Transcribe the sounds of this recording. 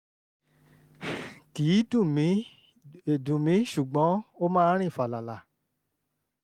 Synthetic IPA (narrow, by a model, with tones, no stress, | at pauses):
ki˨˦tũ˦˨mĩ˨˦ | e˨dũ˨mĩ˨˦ʃu˨ɡ͡bɔ̃˨˦o˦mãː˦ɾ̃ĩ˦˨fa˨la˨la˨